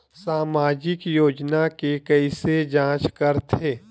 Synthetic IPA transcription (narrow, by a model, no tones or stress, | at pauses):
saːmaːd͡ʒɪkjoːd͡ʒnakekɛised͡ʒãːt͡ʃkɐɾt̪ʰeː